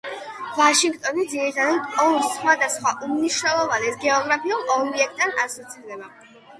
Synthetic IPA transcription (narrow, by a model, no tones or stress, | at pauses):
vaʃiŋɡt̪ʼɔnid̪ziɾit̪ʰad̪at̪ɔɾsχwad̪asχwaʔumniʃnɛlˠɔvanɛsɡɛɔɡɾapʰiulˠɔbiɛk̚ʰt̪ʼːanasɔt̪sʰiɾd̪ɛba